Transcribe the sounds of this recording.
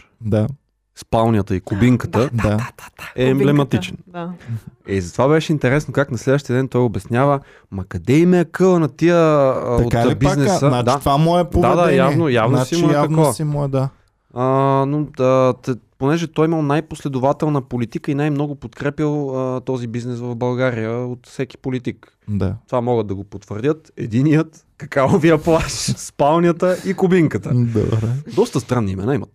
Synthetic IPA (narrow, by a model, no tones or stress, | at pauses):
d̪a | spalˠniət̪əikʊbiŋkədt̪əd̪ad̪ɛːmblɛmɐt̪it͡ʃɛnd̪aizɐt̪ovaβɛʃɛint̪ɛɾɛsnokaknɐslɛd̪vəʃt̪iəd̪ɛnt̪ɔjobɛsnʲavə | mɐkɐd̪ɛimɛəkɤlˠənɐt̪iəotabinɛsənad̪at̪vamoɛpoad̪ajavnojavnosimoɛakɐnɔvɐimoɛd̪a | ənoət̪ɛponɛʒɛt̪ɔjimɐlˠnajposlɛd̪ʊvat̪ɛlˠnəpolit̪ikəinajmnɔɡʊpot̪kɾɛpʲəlˠət̪ɔzibiznɛsvɐvbɐlˠɡaɾijəot̪fsɛki̥polit̪ik | d̪a̰t̪ovamɔɡəd̪̚d̪ɐɡopot̪vəɾd̪ʲət̪ɛ̰d̪inijət̪ | kɐkaoviəplˠaʃspalˠnʲjət̪əʔikʊbiŋkət̪əd̪o̰bɾɛd̪ɔst̪əst̪ɾanːiːmɛ̰naimɐt̪